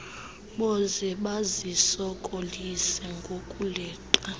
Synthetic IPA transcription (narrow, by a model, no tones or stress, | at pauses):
ɓɔzɛɓazisɔkʼolisɛŋɡʱokʼulɛːǃa